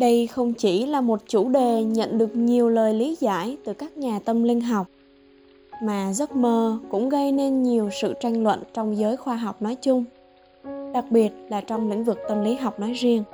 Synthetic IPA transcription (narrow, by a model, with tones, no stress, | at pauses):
ɗə˧jxə˧wŋ͡mt͡ɕi˧˩laː˨˩mo˨˩t̚t͡ɕu˧˩ɗe˨˩ɲə̰˧˨nɗɨ˨˩ək̚ɲi˨˩əwləː˨˩jli˨˦za̰ː˧˥˩jt̪ɨ˨˩kaː˦˥k̚ɲaː˨˩t̪ə˧mli˧ənɦa˨˩wk͡p̚ | maː˨˩zə˦˥t̚məː˧˩kʊ̰˧˥ŋ͡mɣə˧jne˧nɲi˨˩əwsɨ̰˧˨t͡ɕa˧jŋ̟lwə̰˧˨nt͡ɕɔ˧wŋ͡mzəː˨˦jxwaː˧ɦa˨˩wk͡p̚nɔ˨˦jt͡ɕʊ˧ŋ͡m | ɗa˨˩k̚ɓi˨˩ət̚laː˨˩t͡ɕɔ˧wŋ͡mlḭ˧˥ŋ̟vɨ˨˩k̚t̪ə˧mli˨˦ɦa˨˩wk͡p̚nɔ˨˦jzi˧əŋ